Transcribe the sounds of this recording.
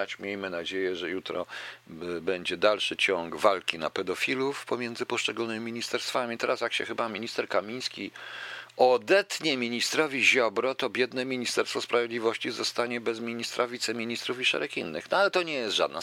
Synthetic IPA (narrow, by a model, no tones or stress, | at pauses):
at͡ɕmʲjejmɘnad͡ʑejɛʐɛjut̪ɾɔ̰ | bɛɲd͡ʑɛd̪alʂɘt͡ɕɔŋɡvalkʲina̰pɛd̪ɔfʲilufpɔmʲjɛnzɘpɔʂt͡ʂɛɡulnɘmʲimʲiɲist̪ɛɾst̪famʲit̪ɛɾasjakɕɛ̰xɘbamʲiɲist̪ɛɾkamʲij̃skʲi | ɔd̪ɛt̪ɲɛmʲiɲist̪ɾɔvʲiʑɔbɾɔt̪ɔbʲjɛd̪nɛmʲiɲist̪ɛɾst̪fɔspɾavʲjed̪lʲivɔɕt͡ɕizɔst̪aɲɛbɛzmʲiɲist̪ɾʔavʲit̪sɛmʲiɲist̪ɾufiʂɛ̰ɾɛkḭnːɘ̰xnɔalɛt̪ɔɲɛjɛst̪ʐa̰d̪̚na